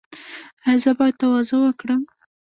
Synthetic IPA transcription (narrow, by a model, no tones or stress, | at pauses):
azəbɑjad̪̚t̪awɑzowəkɽəm